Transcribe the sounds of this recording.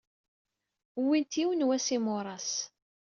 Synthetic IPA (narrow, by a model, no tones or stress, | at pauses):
wint̪iwənwæsimʊɾˤɑs